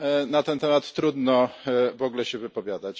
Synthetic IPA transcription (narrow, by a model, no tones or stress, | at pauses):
nat̪ɛnt̪ɛmat̪ːɾud̪nɔvɔɡlɛɕɛvɘpɔvʲjad̪at͡ɕ